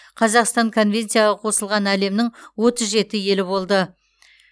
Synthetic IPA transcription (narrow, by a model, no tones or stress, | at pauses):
qʰɑzɑqst̪ɑŋkʰo̞nvʲe̞nt̪sijaʁɑqʰo̞səlˠʁɑnæle̞mnɪŋwo̞t̪əzʒe̞t̪ɪje̞lɪβo̞lˠd̪ə